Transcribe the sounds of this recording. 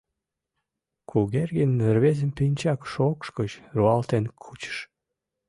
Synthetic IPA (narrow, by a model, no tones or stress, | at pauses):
kʰuɣerɣenərβezəmpinʲt͡ɕɑkʃokʃkət͡ɕruɑlt̪enkʰut͡ɕə̥ʃ